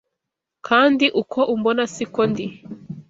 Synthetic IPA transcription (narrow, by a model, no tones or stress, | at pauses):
kʰaːndiʔukʰɔʔumbɔnasikɔndi